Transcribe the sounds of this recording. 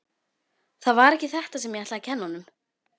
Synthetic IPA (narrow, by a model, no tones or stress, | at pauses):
θaðvaɾɛhcːɪθɛht̪asɛmjɛat̪aacʰɛnːanːʏm